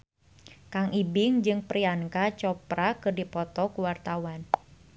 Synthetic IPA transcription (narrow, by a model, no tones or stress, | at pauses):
kaŋʔibɪŋd͡ʒɨŋpɾiaŋkat͡ʃɔpɾakɨrdipɔt̪ɔkuwart̪awan